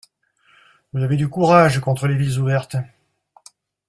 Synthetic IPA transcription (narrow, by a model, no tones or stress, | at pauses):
vuzaved̪ykuʁaʒkɔ̃t̪χəlevilzuvɛʁt̪